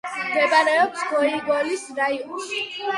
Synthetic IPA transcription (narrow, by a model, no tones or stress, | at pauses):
mɡɛbaɾɛɔp̚sɡɔiɡɔlisɾaiɔnʃ